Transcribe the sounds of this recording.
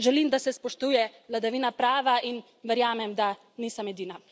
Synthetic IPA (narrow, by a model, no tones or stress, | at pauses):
ʒɛlimd̪asɛspɔʃt̪uːjɛʋlad̪aʋiːnapɾaːʋaʔin | ʋɛɾjaːmɛmd̪a | niːsɐmɛd̪iːna